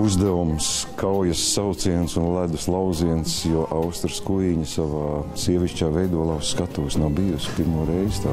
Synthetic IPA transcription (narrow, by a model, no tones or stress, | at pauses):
uzd̪ɛvumskʰawjɐsːawt̪siɛnsunlæd̪uslˠawziɛnsjuɔʔawst̪ɾskuiɲisaʋaːsiɛʋʲiʃt͡ʃaːvɛjd̪uɔlˠɑwsːkat̪uːsnawbijuspiɾmuɔɾɛjzt̪a